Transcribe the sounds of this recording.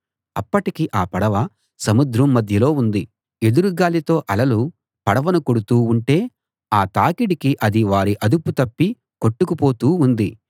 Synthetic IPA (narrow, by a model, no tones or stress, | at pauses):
ɐpːɐʈikiʔaːpɐɽɐʋɐ | sɐmud̪ɾɐmːɐd̪ʱjɐlo̞ːund̪i | ed̪uɾuɡaːlit̪o̞ːʔɐlɐlu | pɐɽɐʋɐnukoɽut̪uːɳʈe̞ː | aːt̪aːkiɽikiʔɐd̪iʋaːɾiʔɐd̪uput̪ɐpːi | ko̞ʈːukupo̞ːt̪uːund̪i